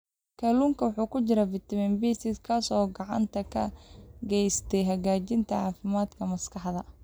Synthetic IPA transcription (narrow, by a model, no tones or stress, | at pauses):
kʰɐluŋkʰɐwɑħuːkʰʊt͡ʃɪɾɐvɪt̪ʰɐmɛnbisɪskʰaːsɔːɡɑʕɑ̰nt̪ʰɐkʰɐɡɛjst̪ʰɛjɦɐɣaːt͡ʃɪnt̪ʰɐɑːfɪmaːd̪kʰɐmɐskʰɑħðɐ